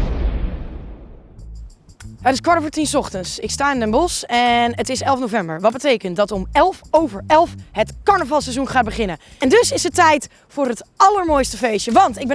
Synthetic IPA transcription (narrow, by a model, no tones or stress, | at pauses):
ɦətɪskʋɑtvəɹtinsɔχtənsɪkstaːɪnənbɔsɛnətɪsɛlˠfnowvɛmbəɹʋɑt̚bətejkənt̚dɑtɔmɛlˠfowvəɹɛlˠfɦətkɑɹnəvɑlˠsɛzunχaːt̚bəχɪnəɛndɵsɪsətɛjt | fʊːɹɦətʔɑləɹmoːjstəfejsjəʋɑntɪɡ̚bɛ